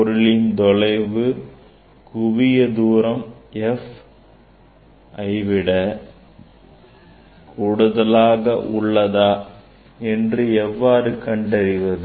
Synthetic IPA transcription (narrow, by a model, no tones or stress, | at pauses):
pɔɾɯɭɪnd̪ɔɭɐɪʋɯ | kʊʋɪjɐd̪uːɾɐmɛf | ʔɐɪʋɪɽɐ | kuːɽɯðɐlaːɣɐʔʊɭːɐðaː | ɛndrɯɛʋːaːɾɯkɐɳɖɐɾɪʋɐðɯ